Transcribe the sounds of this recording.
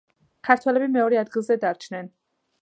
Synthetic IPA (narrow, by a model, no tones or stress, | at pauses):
kʰæɾt̪ʰɔlɛbimeɔɾiæd̪ɣized̪æɾt͡ʃʰnɛn